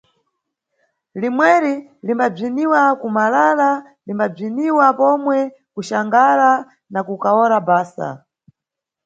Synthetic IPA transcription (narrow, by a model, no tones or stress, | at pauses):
limwɛɾilimbab͡ʐiniwakumalala | limbab͡ʐiniwapɔmwɛ | kuʃaŋɡala | nakukaɔɾabaːsa̰